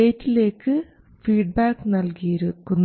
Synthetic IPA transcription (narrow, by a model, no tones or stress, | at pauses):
eːtːile̞ːkːɨ | fiːɖ̚baːkɨnɐlkijiɾukːunː